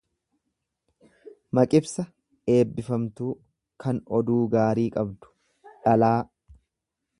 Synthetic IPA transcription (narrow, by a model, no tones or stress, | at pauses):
mɐkʼɪbsɐ | e̞ːbːɪfɐmt̪uː | kʰɐnɔd̪uːɡaːɾiːkʼɐbd̪ʊ̥ | ᶑɐlaː